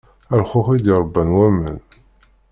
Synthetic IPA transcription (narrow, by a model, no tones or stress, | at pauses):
ælχʊfid̪iɾˤəbːənwæmːə̰n